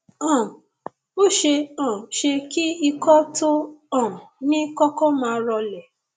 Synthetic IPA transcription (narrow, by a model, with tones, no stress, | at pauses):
ɔ̃˨ | o˦ʃe˧ɔ̃˨ʃe˧ki˦i˧kɔ˦to˦ɔ̃˦˨nĩ˦kɔ˦kɔ˦mãː˧ɾɔ˧lɛ˨